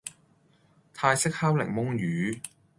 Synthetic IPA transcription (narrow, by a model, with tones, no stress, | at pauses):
t̪ʰaː˧jsɪ˥k̚hɐ˥wlɪ̰˨˩ŋmʊ˥ŋjyː˨˦